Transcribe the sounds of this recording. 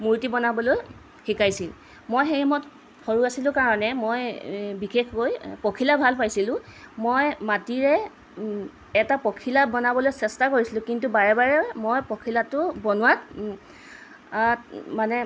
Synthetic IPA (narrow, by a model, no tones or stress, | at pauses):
muɹtibɔnabɔloj | xikajsil | mojxejimɔt | xʰoɹuasilʊ̃kaɹɔnɛmojbixexkojpokʰilabʱalpajsilʊ̃mojmatiɹɛ | ɛtapɔkʰilabɔnabɔlojsɛstakoɹisilʊ̃kintubaɹɛbaɹɛmojpɔkʰilatʊbɔnʊwat | manɛ